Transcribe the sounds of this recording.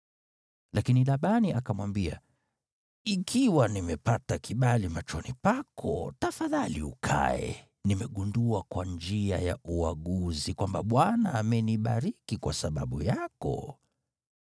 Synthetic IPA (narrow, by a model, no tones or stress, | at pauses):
lakinilaɓaniʔakamwambia | ikʰiwanimɛpatakʰiɓalimat͡ʃɔnipakʰɔ̰tafaðaliṵkʰa̰ɛ̰ | nimɛɠunduakwand͡ʒiaja̰ʔuaɠuzikwambaɓwanaːmɛniɓaɾikikwa̰saɓa̰ɓṵjakɔ̰